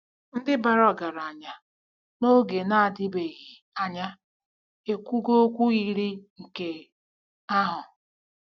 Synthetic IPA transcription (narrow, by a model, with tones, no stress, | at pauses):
n̩˦dɪ˦ba˨ɾɔ˨ɡa˨ɾa˨ɲa˦ | no˦ɡe˨na˦a˨dɪ˦be˨ɣi˨ | a˨ɲa˦ | e˨kʷu˦ɡo˦o˦kʷu˦ɣi˦ɾi˦ŋ̩˨ke˦ | a˦ɦʊ˨